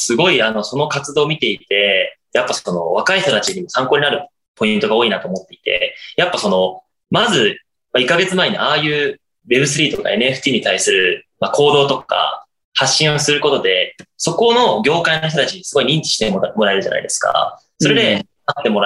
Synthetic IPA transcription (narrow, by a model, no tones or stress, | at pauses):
sɨɡo̞iano̞so̞no̞kat͡sɨd̪o̞ːmʲit̪e̞it̪e̞ | japːaso̞no̞̰β̞akaiçt̪o̞t̪at͡ɕiɲimo̞sãŋkoːɲinaɾɯ̟ | po̞ĩnt̪o̞ɡao̞ːinat̪o̞ːmo̞t̪ːe̞i̥t̪e̞̰japːaso̞no̞ | mazɨ | maikːaɡe̞t͡sɨmaeɲ̟iaːjɯ̟ː | βe̞bɯ̟s̬ɨɾʲiːt̪o̞ka̰e̞nɯ̟eɸɯ̟̥t̪ʲiːɲ̟it̪aisɨɾɯ̟makʰo̞ːd̪o̞ːt̪o̞ka̰ | haɕːĩɰ̃o̞sɨɾɯ̟ko̞t̪o̞d̪e̞so̞ko̞no̞ɡʲo̞ːkainoç̬t̪ot̪at͡ɕiɲ̟isɨɡo̞iɲʲĩɲ̟t͡ɕʲi̥ɕi̥t̪emo̞ɾae̞ɾɯ̟ʑa̰na̰ḭd̪e̞sɨ̥ka̰ | so̞ɾed̪e̞ | at̪ːe̞mo̞ɾa